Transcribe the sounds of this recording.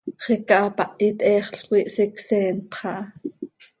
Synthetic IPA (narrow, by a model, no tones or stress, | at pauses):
χɛkɑʔɑpɑʔit̪ʼʔɛːχɬqwiʔsɛksɛːnpχɑʔɑ